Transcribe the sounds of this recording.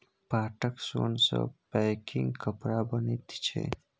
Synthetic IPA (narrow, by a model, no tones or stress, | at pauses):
paːʈəksoːnso̰b̥ajkɪŋɡkʰapɾaːbɐnet̪i̥t͡ʃʰḛ